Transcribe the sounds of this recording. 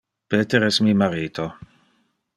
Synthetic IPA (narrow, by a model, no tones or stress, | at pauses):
peːt̪eɾɛsmiːmaɾiːt̪ʰo